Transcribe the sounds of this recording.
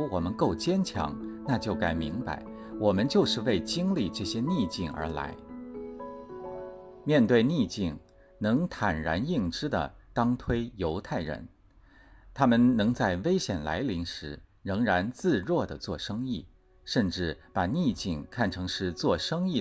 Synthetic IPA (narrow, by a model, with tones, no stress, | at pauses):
wɔ˨˩mə˦nko˥˩ʊt͡ɕjɛ˥nt͡ɕʰjɑ̰˧˥ŋna˥˧t͡ɕjo˥˩ʊka˧˩ɪmi˧˥ŋpa̰˧˥ɪ | wɔ˨˩mə˦nt͡ɕjo˥˧ʊʂɻ̩˥˧we˥˩ɪt͡ɕi˥ŋli˥˧ʈ͡ʂɤ˥˩ɕjɛ˥ni˥˧t͡ɕi˥˩ŋə̰˞˧˥la̰˧˥ɪ | mjɛ˥˧nt̪we˥˧ɪni˥˧t͡ɕi˥˩ŋ | nɤ˧˥ŋt̪ʰa˨˩nɻa̰˧˥ni˥˩ŋʈ͡ʂɻ̩˥d̪ə̰˨˩t̪ɑ˥ŋt̪ʰwe˥ɪjo˧˥ʊt̪ʰa˥˩ɪɻə̰˧˥n | t̪ʰa˥mə˨nnɤ˧˥ŋt͡sa˥˩ɪwe˥ɪɕjɛ˨˩nla̰˧˥ɪli˧˥ŋʂɻ̩˧˥ɻɤ˧˥ŋɻa˧˥nt͡sɹ̩˥˧ɻwɔ˥˩d̪ə˩t͡swɔ˥˩ʂɤ˥ŋi˥˩ | ʂə˥˧nʈ͡ʂɻ̩˥˩pa˨˩ni˥˧t͡ɕi˥˧ŋkʰa˥˩nʈ͡ʂʰɤ˧˥ŋʂɻ̩˥˧t͡swɔ˥˩ʂɤ˥ŋi˥˩